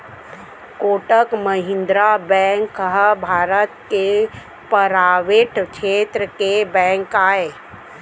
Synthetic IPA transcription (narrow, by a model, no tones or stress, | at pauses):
koːʈəkməɦɪ̃nd̪ɾabɛ̃ŋkɦəbʱaːɾət̪ke | pəɾaːʋeːʈʰkʃʰeːt̪ɾəkebɛ̃ːŋkaːe